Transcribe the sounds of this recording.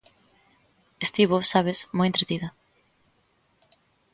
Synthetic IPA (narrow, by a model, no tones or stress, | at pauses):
est̪iβosaβesmojent̪ɾet̪iðɐ